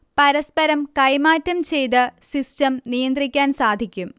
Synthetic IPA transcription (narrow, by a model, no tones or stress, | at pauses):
pɐɾɐspɐɾɐmkɐjmaːtːɐmt͡ɕe̞jt̪ɨsistɐmnijɐnd̪rikʲːaːnsaːd̪ʱikʲːum